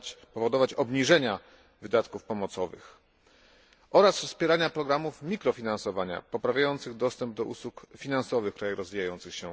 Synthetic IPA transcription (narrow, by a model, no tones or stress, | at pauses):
t͡ɕpɔvɔd̪ɔvat͡ɕɔbɲiʐɛɲa | vɘd̪at̪kufpɔmɔt̪sɔvɘ̰x | ʔɔɾasfspʲjɛɾaɲapɾɔɡɾamufmʲikɾɔfʲinãnsɔvaɲa̰pɔpɾavʲjajɔnt̪sɘɣd̪ɔst̪ɛmb̚d̪ɔʔuswukfʲinansɔvɘxkɾajɛɾɔzvʲijajɔnt̪sɘxɕɛ